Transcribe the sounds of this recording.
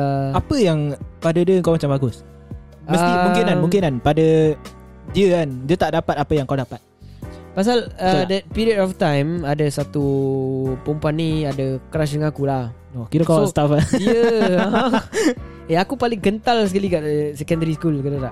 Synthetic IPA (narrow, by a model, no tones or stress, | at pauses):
apəjaŋpadədiəəŋkawmat͡ʃambaɡʊs | məmũŋkɪnanmuŋkɪnanpadə | diəkandiət̪aʔdapat̪apəjaŋkawdapat̪̚ | pas̬alədɛt̪̚piɾiətɔft̪ãjmadəsat̪u | pumpanːiadəkɾasdəŋãkulah | okiɾəkaot̪afajə̃ | eakupalɪŋkənt̪alsəkalikaʔsɛkəndəɾiskulkədat̪aʔ